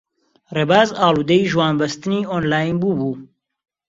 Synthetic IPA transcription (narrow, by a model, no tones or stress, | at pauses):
reːbaːzaːlˠuːd̪ɐjʒwaːnbɐst̪ɨniːoːnlaːjnbuːbuː